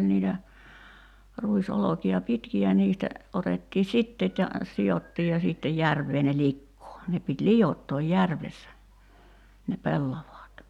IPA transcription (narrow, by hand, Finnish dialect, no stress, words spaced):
niːtæ ruisolokiɑ pitkiæ niːstæ otetːiː sitːeːt jɑ siotːiːj jɑ siːtːej jærʋˑeː ne likːoː ne pit lijotːoːj jærʋesːæ ne pelːɑʋɑːt